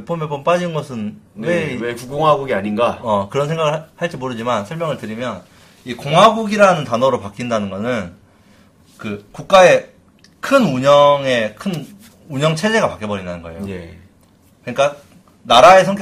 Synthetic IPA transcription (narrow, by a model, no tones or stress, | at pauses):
p͈omep͈omp͈ad͡ʑinɯnɡʌsʰɯnwekuɡoŋɦaɡuɡiaɲinɡaʌkɯɾʌnsʰe̞ŋɡaɡɯɭhaɭt͡ɕ͈imoɾɯd͡ʑimansʰʌɭmjʌŋɯɭtɯɾimjʌn | ikoŋɦaɡuɡiɾanɯntanʌɾopak͈indanɯnɡʌnɯn | kɯkuk̚k͈ae̞ | kʰɯnuɲʌŋe̞kʰɯn | uɲʌŋt͡ɕʰe̞d͡ʑe̞ɡapak͈jʌbʌɾindanɯnɡʌejoe | kɯɲik͈a | naɾae̞sʰʌŋkʰ